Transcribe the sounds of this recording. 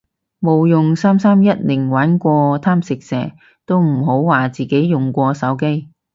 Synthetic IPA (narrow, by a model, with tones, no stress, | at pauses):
mo˨wjʊ˨ŋsaː˥msaː˥mjɐ˥t̚lɪ˨˩ŋwaː˨˥nkʷɔː˧t̪ʰaː˥msɪ˨k̚sɛː˨˩ | t̪o˥wm̩˨˩ɦo˨˥wwaː˨˩t͡siː˨˩ke˨˥jjʊ˨˩ŋkʷɔː˧sɐ˨˥wke˥j